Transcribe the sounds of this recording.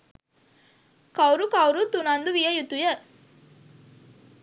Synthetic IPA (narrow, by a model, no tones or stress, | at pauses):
kɐwɾukɐwɾut̪unand̪uʋijəjut̪ujə